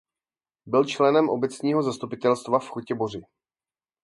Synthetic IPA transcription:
bɪlt͡ʃlɛnɛmʔobɛt͡sɲiːɦo̞zast̪upɪt̪ɛlst̪vafxocɛborɪ

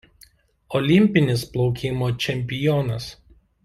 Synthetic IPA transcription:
ɔlʲɪmʲpʲɪnʲɪsplˠɔʊkʲɪmoːt͡ʃʲɛmʲpʲɪjɔnɐs

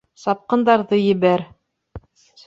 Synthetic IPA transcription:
sɑp̚qɤ̆nd̪ɑɾðɤjɘ̆βæɾ

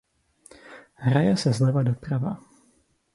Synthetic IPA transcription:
ɦɾajɛsɛzlɛvadopɾava

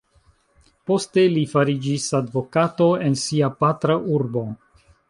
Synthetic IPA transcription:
po̞ste̞lifaɾid͡ʒisadvo̞kato̞e̞nsiapatɾaʔuɾbo̞

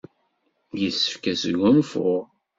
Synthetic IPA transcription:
jəsːə̥fkæsʝæmfʊʁ

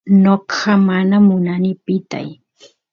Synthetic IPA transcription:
noqɑmanamʊnanɪpɪt̪a̰j

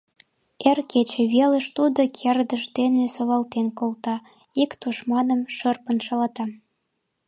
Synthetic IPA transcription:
erket͡ɕĕβeləʃt̪ud̪okʰerd̪əʃd̪enesolɑlt̪enkolt̪ɑ | ikt̪uʃmɑnəmʃərpənʃɑlɑt̪ɑ

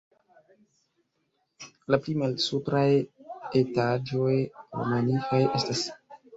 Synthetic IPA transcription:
laplimalsupɾajetad͡ʒo̞jo̰manifajʔe̞stas

